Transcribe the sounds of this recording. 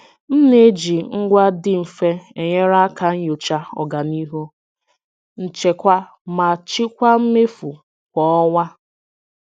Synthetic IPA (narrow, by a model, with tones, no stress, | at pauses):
m̩˦ne˨˦d͡ʒi˨ŋ̩˦ɡʷa˦dɪ˦m̩˨fe˦e˨ɲe˦ɾa˦ka˨ŋ̩˦jo˨t͡ʃa˦ɔ̰˨ɡa˨ni˦ɦu˦ | n̩˨t͡ʃe˨kʷa˦ | ma˨t͡ʃɪ˦kʷa˦m̩˦me˦fu˨ | kʷɔ˨˦ɔ˦wa˦